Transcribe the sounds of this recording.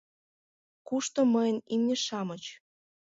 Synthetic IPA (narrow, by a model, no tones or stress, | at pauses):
kuʃt̪oməjənimnʲĕʃɑmɤt͡ɕ